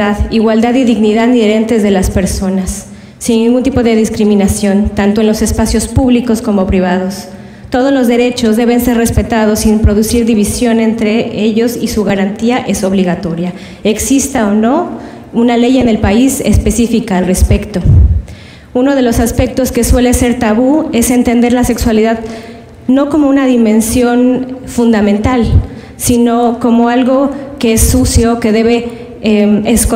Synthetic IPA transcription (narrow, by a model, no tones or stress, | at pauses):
aðiɣwald̪aðiðiɣniðaðnieɾe̞nt̪e̞zðe̞laspe̞ɾso̞nasː | inːĩŋɡunt̪ipo̞ðe̞ðiskɾimĩnasjo̞nt̪ant̪oenlo̞sespasjo̞spuβliko̞sko̞mo̞pɾiβ̞aðo̞s | t̪o̞ð̞ozlo̞zðe̞ɾe̞t͡ʃo̞zðe̞βe̞nse̞ɾrespe̞t̪aðo̞simpɾo̞ðusiɾðiβ̞isjo̞ne̞nt̪ɾe̞eʝo̞sisuɣaɾant̪iaʔe̞so̞βliɣat̪o̞ɾja | e̞ksist̪aono̞ | unale̞je̞ne̞lpaise̞̰spe̞sifikaːlre̞spe̞kt̪o̞ | uno̞ð̞e̞lo̞saspe̞k̚t̪o̞ske̞swe̞le̞se̞ɾt̪aβue̞se̞nt̪e̞nd̪e̞ɾlase̞kswaliðað | no̞ko̞mo̞unaðimẽ̞nsjo̞nfund̪amẽnt̪al | sino̞ko̞mo̞alɣo̞ke̞e̞sːusjoːke̞ðe̞β̞e̞ | emesk